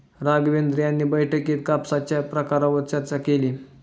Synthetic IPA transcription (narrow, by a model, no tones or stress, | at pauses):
ɾaɡʋend̪ɾijanːiːbəjʈʰəkiːt̪kapsat͡ɕjapɾəkaɾaʋət͡saɾt͡sakeliː